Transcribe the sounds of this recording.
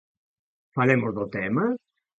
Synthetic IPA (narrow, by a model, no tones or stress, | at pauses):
falemozðot̪ɛma